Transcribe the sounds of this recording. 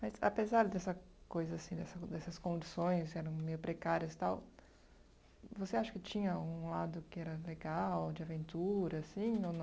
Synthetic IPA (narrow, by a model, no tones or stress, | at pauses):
mɐza̰pezaɾd̪ɛsɐ | kojzɐasĩd̪ɛsɐd̪ɛsɐskõnd͡ʒisõj̃s̬kɪɛɾɐ̃w̃mejʊpɾekaɾiɐst̪aw | voseaʃɐ̥kɪt͡ʃĩɲɐũlad̪ʊkɪɛɾɐleɡawd͡ʒɪavẽnt̪uɾɐːsĩonɐ̃